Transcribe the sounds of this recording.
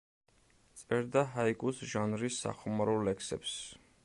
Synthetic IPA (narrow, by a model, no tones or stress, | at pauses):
t̪sʼɛɾd̪aɦaikʼusʒanɾisːa̰χɔmaɾɔlɛksɛps